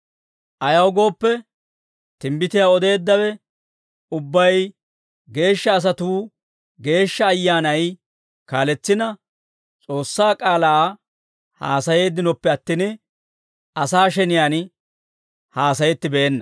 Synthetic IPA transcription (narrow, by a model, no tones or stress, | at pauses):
ʔɐjɐwɡo̞ːpːɛ | t̪ɪmbɪt̪ɪjaːɔd̪e̞ːd̪ːɐwɛ | ʊbːɐj | ɡe̞ːʃːɐːs̬ɐt̪uː | ɡe̞ːʃːɐːjːaːnɐj | kaːlɛt͡sːɪnɐ | t͡sʼo̞ːsːaːkʼaːlaː | haːsɐje̞ːd̪ɪnɔpːɛɐt̪ːɪn | ɐsaːʃɛnɪjaːn | haːsɐjɛt̪ːɪbeːnːɐ̥